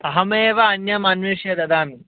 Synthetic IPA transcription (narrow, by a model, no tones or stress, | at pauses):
t̪ɐɦɐmeːʋɐːnjɐmɐnʋiːʂjɐd̪ɐd̪aːmi